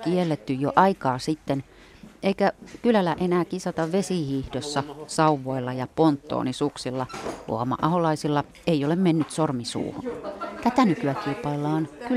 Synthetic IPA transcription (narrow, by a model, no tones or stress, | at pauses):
kielːet̪ːyjjoʔɑikɑːsit̪ːen | ʔeikækylælæʔenæːkisɑt̪ɑʋʋesihiːhdosːɑsɑuʋːˑoilːɑjɑpont̪ːo̰ːnisuksilːɑlṵomɑ̰ʔɑholɑisilːɑ | eiolemmenːyt̪sormisṵːhunt̪æt̪ænykyækilpɑilːɑːnky